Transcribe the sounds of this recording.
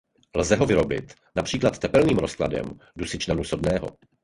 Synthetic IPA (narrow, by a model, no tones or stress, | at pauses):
lzɛɦo̞vɪɾo̞bɪt̪ | napr̝̥iːklat̪ːɛpɛlniːmɾo̞skla̰dɛ̰mdusɪt͡ʃnanuso̞dnɛːɦo̞̰